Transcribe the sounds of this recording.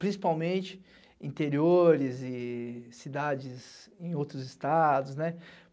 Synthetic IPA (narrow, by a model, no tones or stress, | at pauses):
pɾĩsi̥pawmẽt͡ʃɪ̥ | ĩt̪eɾioɾɪzɪsid̪ad͡ʒɪzẽj̃owt̪ɾʊzɪst̪ad̪ʊsnɛ